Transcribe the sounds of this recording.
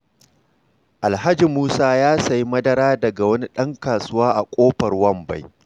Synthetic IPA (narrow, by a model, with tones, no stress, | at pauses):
ʔa˨lɦa˦d͡ʒi˨muː˦saː˦jaː˦sɐ˨ji˦mɐ˦dɐ˦ɾaː˦dɐ˨ɡa˨wɐ˦ni˦ɗɐ˦ŋkaː˨sʊ˦waː˦ʔa˨kʷʼoː˦ɸɐ˨rwɐ˦mba̰˦˨j